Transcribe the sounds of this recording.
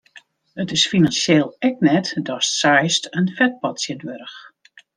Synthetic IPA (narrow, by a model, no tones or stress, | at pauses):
ətɪsfinansjeːlˠɛk̚nɛtdɔssajstʰənfɛt̚pɔtsjədʋøɾəx